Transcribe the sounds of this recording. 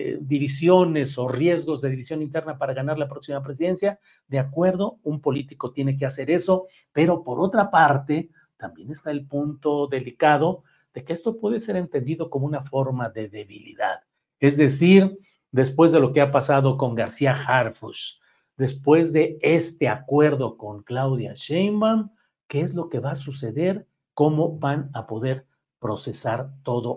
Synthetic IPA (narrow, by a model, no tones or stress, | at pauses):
d̪iβisjo̞ne̞so̞rje̞zɣo̞zðe̞ðiβisjo̞nint̪e̞ɾnapaɾaɣanaɾlapɾo̞ksimap̬ɾe̞s̬iðe̞nsja | d̪e̞akwe̞ɾðo̞umpo̞lit̪iko̞t̪jene̞k̬ease̞ɾe̞so̞ | pe̞ɾo̞po̞ɾo̞t̪ɾapaɾt̪e̞ | t̪ambje̞ne̞st̪aelpunt̪o̞ðe̞likaðo̞ | ð̥e̞keest̪o̞pwe̞ðe̞se̞ɾe̞nt̪e̞nd̪iðo̞ko̞mounafo̞ɾmaðe̞ðe̞βilḭða̰ð | e̞zðe̞siɾ | d̪e̞spwe̞zðe̞loke̞apasaðo̞ko̞ŋɡaɾsiaxaɾfuʃ | d̪e̞spwe̞zðe̞e̞st̪e̞akwe̞ɾðo̞ko̞ŋklawðja̰ʃejmam | ke̞ezlo̞ke̞βasuse̞ðe̞ɾ | ko̞mo̞banapo̞ðe̞ɾ | pɾo̞se̞saɾt̪o̞ðo̞